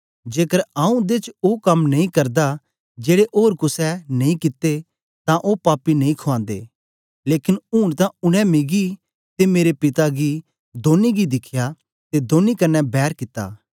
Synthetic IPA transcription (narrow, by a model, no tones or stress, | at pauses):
d͡ʒeːkəɾaːũd̪et͡ʃokɐmnɐĩkɐɾd̪a | d͡ʒeːɽeʔoːɾkʊsɛnɐ̃ĩkɪt̪ːe | t̪ãʔopaːpinɐĩkʰʊãːnd̪ḛː | leːkɪnuːɽ̃t̪ãʊɽ̃ɛ̃mɪɡi | t̪emeːɾepɪt̪aɡi | d̪oːniɡid̪ɪkʰja | t̪ed̪oːnikɐnːɛbɛːɾkɪt̪ːa̰ː